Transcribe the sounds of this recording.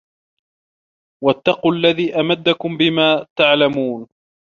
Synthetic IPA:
wat̪ːɑquːalːaðiːʔamad̪ːakʊmbɪmaːt̪aʕlamuːn

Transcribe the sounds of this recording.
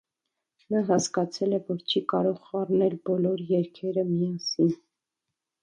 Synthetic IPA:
nɑɦɑskɑt͡sʰɛlɛvɔɾt͡ʃʰikɑɾɔʁɑrnɛlbɔlɔɾjɛɾkʰɛɾəmijɑsin

